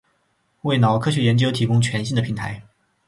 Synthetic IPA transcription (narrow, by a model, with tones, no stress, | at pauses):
we˥˩ɪnɑ˨˩ʊkʰɤ˥ɕɥɛ˧˥jɛ˧˥nt͡ɕjo˥ʊt̪ʰi˧˥kʊ˥ŋt͡ɕʰɥɛ˧˥nɕi˥˩nd̪ə˩pʰi˧˥ŋt̪ʰa˧˥ɪ